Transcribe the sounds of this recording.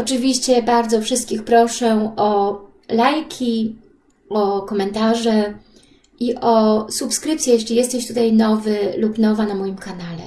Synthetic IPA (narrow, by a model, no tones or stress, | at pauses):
ɔt͡ʂɘvʲiɕt͡ɕɛbaɾd̪zɔfʂɘst̪kʲixpɾɔʂɛɔ | lajkʲʰi | ɔkɔmɛnt̪aʐɛ | ʔiʔɔsupskɾɘpt̪sʲjɛjɛɕlʲijɛst̪ɛɕt̪ut̪ajnɔvɘlupnɔvanamɔjimkanalɛ̰